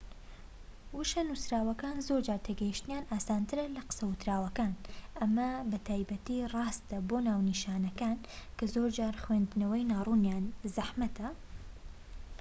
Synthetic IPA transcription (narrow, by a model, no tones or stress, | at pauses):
wuʃɐnusɾaːwɐkaːnzoɾd͡ʒaːɾt̪ʰeɡɛjiʃt̪ɨnjaːnʔaːsaːnt̪ɨɾɐlɐqɨ̥sɐwʊt̪ɾaːwɐkaːnʔɐmɐbɐt̪ʰaːjbɐt̪iːrɑːst̪ɐbonaːwniʃaːnɐkaːnkɐzoːɾd͡ʒaːɾxweːnd̪nɐwɐjnaːrˤuːnjaːnzɐħmɐt̪ʰɐ